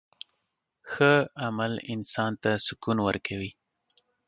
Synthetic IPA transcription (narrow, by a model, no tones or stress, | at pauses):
xəamalɪnsɑnt̪asʊkunwəɾkʰawi